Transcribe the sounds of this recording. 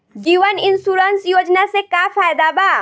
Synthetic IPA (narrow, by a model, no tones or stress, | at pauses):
ɡiːwɐnʔɪnsuːɾɐnsjod͡ʒnasekaːɸaːjd̪aːba